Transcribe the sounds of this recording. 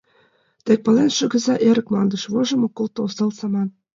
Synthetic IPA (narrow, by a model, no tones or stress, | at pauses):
t̪ek̚pɤ̆lenʃɤ̆ɣɡə̆zɑʔeɾə̆k̚mɑnd̪ɤ̆ʃβoʒɤ̆mokːŏlt̪oosɤ̆lsɑmɑn